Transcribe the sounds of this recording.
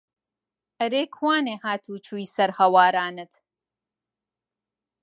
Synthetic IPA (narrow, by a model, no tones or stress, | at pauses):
ʔɐɾeːkʰwaːneːhaːt̪ʰuːt͡ʃʰuːisɐɾhɐwaːɾaːnɨt̪